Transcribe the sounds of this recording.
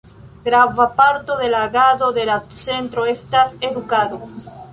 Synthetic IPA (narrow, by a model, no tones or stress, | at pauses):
ɡɾavapaɾt̪oðe̞laɣaðoðelat̪sent̪ɾoest̪aseðukaðo